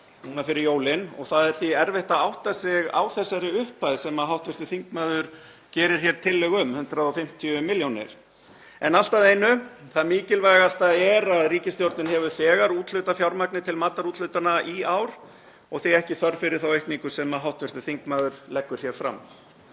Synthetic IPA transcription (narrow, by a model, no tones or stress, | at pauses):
nuːnafɪɾɪɾjoːwlɪnɔ̰ɣθaðɛɾ̥θiɛɾvɛht̪aawht̪asɪɣa̰wθɛsːaɾɪʏhpaðsɛmaɦawht̪vɛst̪ʏθiŋkmaːðʏɾ̥ | cɛːɾɪɾ̥çjɛɾ̥t̪ʰɪlːɛɣʏmhʏnt̪ɾaɔfɪm̥t̪ʰjʏmɪljownɪ̰ɾ̥ | ɛnal̥t̪aðejnʏθaðmiːcɪlvajɣast̪aɛɾaðriːcɪst̪jowɾt̪nɪnɦɛvʏθɛːɣaɾuːt̪lʏt̪afjawɾmaknɪt̪ʰɪlmaːt̪aɾut̪lʏːt̪anaʔiaːwɾ̥ | ɔɣθiɛhcɪθœɾfɪɾɪɾ̥θawejhkniŋkʏsɛmaɦawht̪vʏst̪ʏθiŋkmaːðʏɾlɛkːʏɾ̥θjɛɾ̥fɾa̰mː